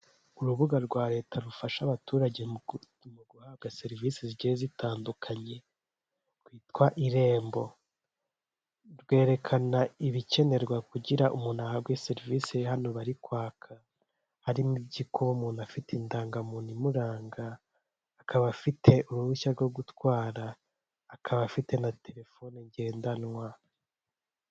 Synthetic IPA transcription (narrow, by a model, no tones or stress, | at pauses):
uɾuβuɡaɾɡwaːɾe̞ːtʰaɾufaʃaβatuːɾaɟe | muɡuhaːvɡaseɾiviːseziɟezitaːndukʰaɲe̞ | kwiːtwaʔiɾe̞ːmbo̞ | ɾɡwe̞ːɾe̞kʰanaiβice̞ne̞ɾɡwakuɟiɾaʔumuːnahabɡweseɾiviːsehano̞βaɾikwaːkʰa | haɾimibɟikuβumuːnafiteindaːŋɡamuːnimuɾaːŋɡaː | kʰaβafitʰe̞ʔuɾuβuʃaɾɡo̞ɡutwaːɾaː | kʰaβafite̞natʰe̞ɾe̞fo̞neɲɟe̞ːndanŋwa